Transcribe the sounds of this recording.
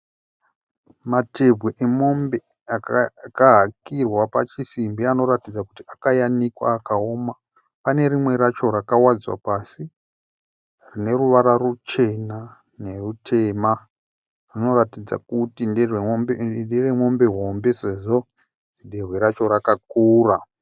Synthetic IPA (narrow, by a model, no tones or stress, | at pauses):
mate̞bʱweʔemombe | akaɦakirwapa̰t͡ʃisimbiano̞ɾatid͡zakutiakajanikwa̰ːkaoma | pane̞ɾimwe̞ɾat͡ʃo̞rakawad͡zwa̰pasi | rine̞ɾuʋaɾarut͡ʃe̞na | ne̞rutʰe̞ːma | rino̞ratid͡za̰kutinderendiremo̞mbe̞ɦo̞mbe̞se̞ʐo̞ | d͡ʒiɗerweɾat͡ʃo̞ɾakak̚uːra